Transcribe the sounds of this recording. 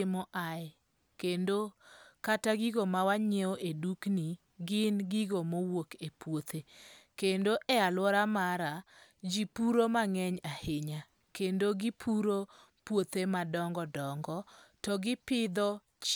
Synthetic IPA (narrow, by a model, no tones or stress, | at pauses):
ɪmɔʔa | kendokataɡiɡomawaɲeoʔedukni | ɡɪnɡiɡomowokepwot̪ʰekendoʔɛalwɔɾamaɾa | d͡ʒipuɾomaŋɛɲahɪɲa | kendoɡɪpʰuɾo | pwot̪emadɔŋɡɔdɔŋɡɔtɔɡɪpɪd̪ɔ | t͡ʃ